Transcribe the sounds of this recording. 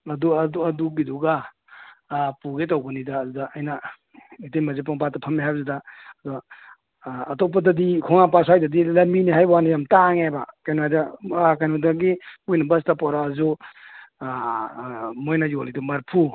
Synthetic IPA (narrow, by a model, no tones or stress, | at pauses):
ɐduɐdubiduɡa | puɡetawbɐnidaːdudaːjna | itejmɐzep̬aŋpatːapʰɐmiɦajbzudadɔ | tɔpɐdɐdikʰɔŋap̬as̬ajdadilɐminiɦajbwanajamtaŋebakajnoajdakajnudaɡimojnɐbɐstapɔɾaːzu | mojnɐjolidumɐɾpʰu